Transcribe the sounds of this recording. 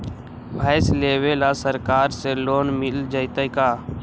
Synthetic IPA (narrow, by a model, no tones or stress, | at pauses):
bʱaːɪsleːʋeːlaːsəɾkaːɾseːloːnmɪld͡ʒəɪt̪əikaː